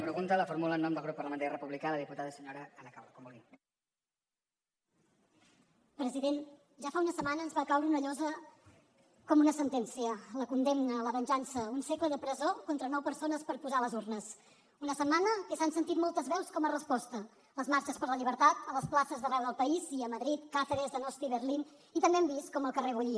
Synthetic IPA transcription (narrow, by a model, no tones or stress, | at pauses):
pɾəɣunt̪ələfuɾmulənːɔmd̪əlˠɣɾupːəɾrləmənt̪aɾirəpuβlikaləðiput̪aðəsəɲoɾəələkawləkombuli | pɾəziðen | ʒafaunəsəmanəːnzβakawɾəunəʎɔzə | kɔmunəsənt̪ɛnsiələkund̪emnələβənʲʒansəunsekləðəpɾəzokont̪ɾənɔwpəɾsonəspəɾpuzaləzurnəs | unəsəmːanəkəsansənt̪it̪mɔlˠt̪əzβɛwskɔmərəspɔst̪ə | ləzmaɾt͡ʃəspəɾləʎiβ̞əɾt̪at̪ələsplasəzðərɛwðəlˠpəiziəməðɾit̪kat̪əðəzðənɔst̪iβəɾlin | it̪əmbeɛmbist̪kɔməlˠkəreβuʎi